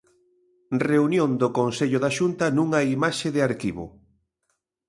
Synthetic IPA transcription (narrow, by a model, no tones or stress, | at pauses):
reunjõnd̪okonseʎʊðaʃunt̪ɐnũŋaimaʃeðɪaɾkiβʊ̰